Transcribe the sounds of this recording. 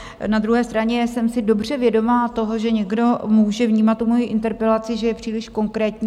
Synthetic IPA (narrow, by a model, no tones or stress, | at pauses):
nad̪ɾuɦɛːst̪ɾaɲɛsɛmsɪdo̞br̝ɛvjɛdo̞maːt̪o̞ɦo̞ʒɛɲɛɡdo̞muːʒɛvɲiːmat̪ːumo̞jiʔɪnt̪ɛɾpɛlat͡sɪʒɛjɛpr̥iːlɪʃko̞ŋkɾɛːt̪ɲiː